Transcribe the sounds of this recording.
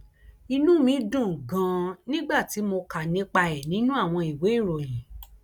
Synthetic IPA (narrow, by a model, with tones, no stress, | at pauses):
i˧nũ˦mĩ˨˦dũ˦˨ɡã˨˧˦nĩ˦ɡ͡ba˦˨ti˨˦mo˧ka˨nĩ˨˦k͡pa˧ɛ˨nĩ˨˦nũ˦a˦˨w̃ɔ̃˧i˨we˨˦i˦˨ɾo˨jĩ˨